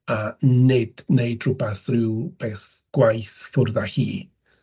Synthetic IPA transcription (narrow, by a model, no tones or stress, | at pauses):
anɪd̥nejdrʊbaθrɪwb̥ɛːθɡ̥wajθfʊrðahḭː